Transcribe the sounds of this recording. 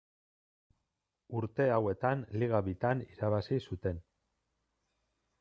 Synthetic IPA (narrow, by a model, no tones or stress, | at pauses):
uɾt̪e̞awe̞t̪anliɣ̞aβit̪aniɾaβasisut̪e̞n